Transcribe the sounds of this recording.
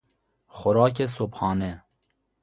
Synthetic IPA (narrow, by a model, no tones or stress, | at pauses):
xʊɾɑːk̬esophɑːne